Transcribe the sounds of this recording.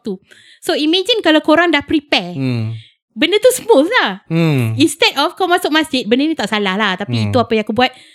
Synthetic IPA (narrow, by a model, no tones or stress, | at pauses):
t̪u | soimãd͡ʒinkalawkoɾaŋdahpɾipɛ | bəndət̪usəmoslahinst̪ɛtɔfkɔmasʊk̚masd͡ʒɪt̪̚bəndənit̪aʔsalahlaht̪apiːt̪uapajãakubuat̪̚